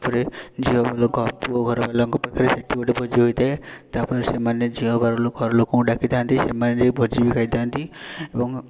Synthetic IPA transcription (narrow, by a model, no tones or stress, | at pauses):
pɔɾed͡ʒiɔbaloɡʱɔpuɔɡʱɔɾɔbalaŋkɔpakʰaɾeseʈibɔʈebʱɔd͡ʒiɦojt̪aet̪apɔɾesemaned͡ʒiɔbaɾɔloɡʱɔɾɔlokɔkũɖakʰid̪ʰant̪isemaned͡ʒejbʱɔd͡ʒibikʰajd̪ant̪iebɔŋ